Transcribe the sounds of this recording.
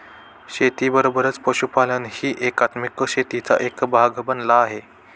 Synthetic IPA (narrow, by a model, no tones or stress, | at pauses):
ɕet̪iːbəɾobəɾət͡spəɕupalənhiːʔekat̪mikɕet̪it͡sa̰ʔekbʱaɡʱbənlaːɦe